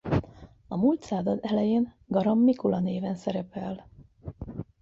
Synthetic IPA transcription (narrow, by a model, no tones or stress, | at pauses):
ɒmult̪saːzɒd̪ɛlɛjeːn | ɡɒɾɒmːikulɒneːvɛnsɛɾɛpɛl